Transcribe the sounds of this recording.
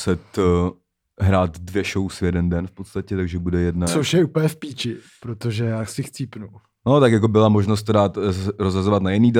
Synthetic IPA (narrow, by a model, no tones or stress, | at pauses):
sɛt̪ | ɦɾaːt̪dvjɛʃowsvjɛdɛndɛnfpot̪st̪acɛt̪aɡʒɛbudɛjɛdnasowʃɛupl̩ɲɛfpiːt͡ʃɪpɾot̪oʒɛjaːsɪxt͡siːpnu | not̪akjak̬obɪlamoʒnos̬t̪t̪ːodaːt̪sɾozɦazovat̪najɪniːd